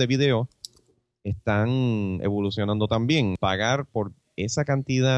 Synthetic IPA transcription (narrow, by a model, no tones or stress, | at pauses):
ðeβiðe̞o̞ | e̞st̪aŋe̞̰βolusjo̞nãnd̪o̞t̪ambje̞ŋpaɣaɾpo̞ɾ | e̞sakant̪iða